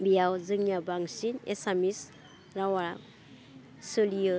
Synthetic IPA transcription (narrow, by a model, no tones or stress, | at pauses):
bijawzɯŋjabaŋsinḛsamis | ɾawa | sɯlijɯ